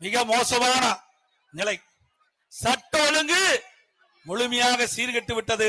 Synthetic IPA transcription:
mɪɣɐmoːsɐmaːnɐ | nɪlɐɪ | sɐʈːɐɔlɯŋɡɯ | mɔɭʊmɐjaːɣɐsiːɾɣɛʈːɯʋɪʈːɐðɯ

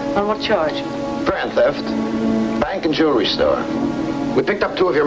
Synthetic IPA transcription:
ãmət͡ʃʰɑɹd͡ʒ | fɹæ̃nθɛftb̥æ̃ŋkɨ̃nd͡ʒuɹistɔ̰ɹ | wipɪk̚tʌp̚tʰuːʌvjə˞

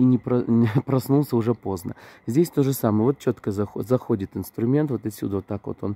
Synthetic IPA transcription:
inʲɪpɾɐpɾɐsnulˠsʲəʊʐɛpo̞znə̰zʲdʲesʲt̪o̞ʐɨsamɨjəvo̞t̪̚t͡ɕːo̞t̪kəzɐxzɐxo̞dʲɪt̪ɨnst̪ɾʊmʲe̞nt̪vo̞t̪ɐtʲsʲṵd̪əvot̪ːakvot̪o̞n

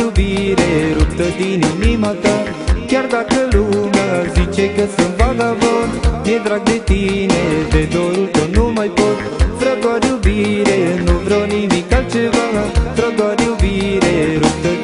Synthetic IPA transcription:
ubiɾeɾuk̚t̪əd̪injunimat̪a | k̪jaɾd̪akəlunazit͡ʃekəsəmbaɡabonmed̪ɾaɡ̚d̪et̪ined̪ed̪oɾult̪ənumajpot̪ | fɾəɡɔɾjubiɾenuvɾonimikalt͡ʃebaɡafɾəɡ̪ɔɾjubiɾeɾuk̚t̪ə

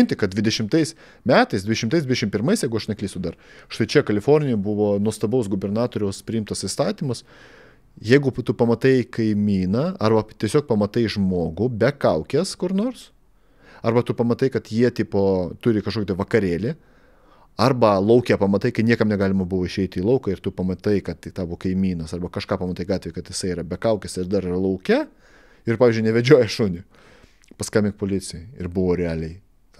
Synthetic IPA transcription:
ɪnʲt̪ʲɪkɐt̪̚d̪ʲʋʲɪd̪ʲɛʃʲɪmt̪ɐɪs | mʲæːt̪ɐɪsd̪ʲʋʲɪd̪ʲɛʃʲmt̪ɐɪsd̪ʋʲɪd̪ʲɛʃɪmpʲɪɾmɐɪsjɛɪɡʊɐʃnʲɛkliɪːsʲʊd̪ɐrʃt̪ɐɪt͡ʃʲɛkɐlʲɪfoːɾʲnʲɪjojbʊʋoːnuɔst̪ɐbɐʊsɡʊbʲɛrnɑːt̪oːɾʲɛʊspʲɾʲɪɪmt̪ɐsɪst̪ɑːt̪ʲiːmɐs | jɛɪɡʊt̪ʊpɐmɐt̪ɐɪkɐɪmʲiːnɐɐrbɐt̪ʲiɛsʲoːk̚pɐmɐt̪ɐɪʒmoːɡʊbʲɛkɐʊkʲɛskʊɾnoːrs | ɐrbɐt̪ʊpɐmɐt̪ɐɪkɐt̪jiɛt̪ʲiːpoːt̪ʊɾʲɪkɐʃkokʲt̪ɐɪʋɐkɐɾʲeːlʲɪ | ɐrbɐlˠɐʊkʲɛpɐmɐt̪ɐɪkɐɪnʲiɛkɐmnʲɛɡɑːlʲɪmɐbʊʋoːɪʃʲɛɪt̪ʲɪiːlˠɐʊkɐɪrt̪ʊpɐmɐt̪ɐɪkɐt̪t̪ɑːbʊʋoːkɐɪmʲiːnɐsɐrbɐkɐʃkɑːpɐmɐt̪ɐɪɡɑːt̪ʲʋʲeːjkɐt̪jɪsɐɪiːɾɐbʲɛkɐʊkʲɛsɪɾd̪ɐɾɐlˠɐʊkʲɛ | ɪɾpɑːʋʲiːzʲd͡ʒʲʊɪnʲɛʋʲɛd͡ʒʲuɔjɛʃʊnʲʊ | pɐskɐːmʲɪŋk̚poːlʲɪt͡s̪ʲɪjoɪɪɾbʊʋoːɾʲɛɑːlʲɛɪ | t̪

